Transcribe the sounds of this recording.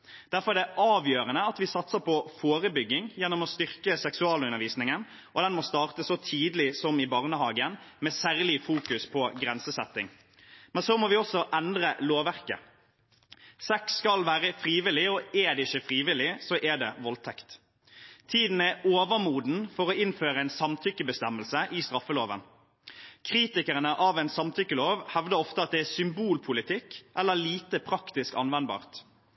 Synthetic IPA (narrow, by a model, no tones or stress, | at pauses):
d̪̥æʁfɔɾɛd̪ɛʔɑːʋjøːʁənəɑt̪ʋɪsɑt̪səpɔfoːɾəbʏɡːɪŋjɛnːɔmɔst̪ʏʁkəsɛksʉɑːləʉnəɾʋiːsnɪŋən | ʔɔd̪ɛnmoːst̪ɑːʁt̪əsɔt̪ʰiːd̪lɪsɔmɪbɑʁnəhɑːɡənmɛːsæːʁlɪfuːkʉspʰɔɡʁɛnsəsɛt̪ːɪ̰ŋ | mɛnsoːmɔʋɪɔsɔʔɛnd̪ʁəloːʋæʁkə̰ | sɛkskɑlʋæːɾəfʁiːʋɪlɪoɛd̪ɛɪçəfʁiːʋɪlɪsoːʔɛɖ̪ɛ̰ʋɔlt̪ʰɛkt̪ | t̪ʰiːd̪n̩ɛoːʋəmuːd̪n̩fɔʁoːɪnføːʁəæɪnsɑmt̪ʰʏkːəbəst̪ɛmːəlsəʔɪst̪ʁɑfːəloːʋə̰n | kʰʁiːt̪ɪkəʁənəʔɑːʋæɪnsɑmt̪ʰʏkːəloːʋhɛʋd̪əɔft̪əɑt̪̚d̪ɛæːsʏmbuːlpʰʊlɪt̪ʰɪkːʔɛlːəliːt̪əpʰʁɑkt̪ɪskɑ̰nʋɛnbɑ̰ːʁt̪